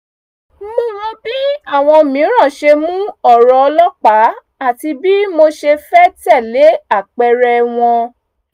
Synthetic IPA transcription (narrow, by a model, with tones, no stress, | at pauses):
mo˧ɾɔ˧bi˦a˦˨w̃ɔ̃˧mĩ˨˦ɾ̃ã˦˨ʃe˧mũ˦ɔ˦˨ɾɔ˧lɔ˦k͡pa˨˦ | a˦˨ti˧bi˦mo˧ʃe˧fɛ˦tɛ˦˨le˨˦a˦˨k͡pɛ˧ɾɛ˧w̃ɔ̃˧